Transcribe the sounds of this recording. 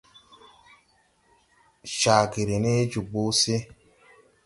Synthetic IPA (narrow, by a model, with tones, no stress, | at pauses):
ʃa˨ɡe˨ɾe˨ne˦d͡ʒu˨ɡ͡bo˦se˦